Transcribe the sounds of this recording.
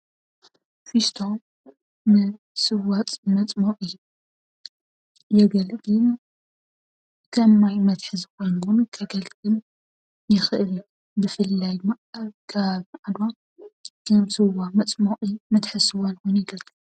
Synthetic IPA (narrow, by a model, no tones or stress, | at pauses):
fist̪ʰomː | ɨ | sɨwat̪ʼmɐt͡sʼmoqʼɨjːu | jɛɡɐlɡɨm | kʰɐmːajmɐt̪ħɨzɨko̞jnwunkʰɐɡɐlɡɨm | jɪxɨʔɨl | bɨfɨlːajm | kʰaβʕad̪wa | kʰɐmzɨwamɐt͡sʼmoʔʼimɐt̪ħɨsɨwalwʊnjɪɡɐlʼɨu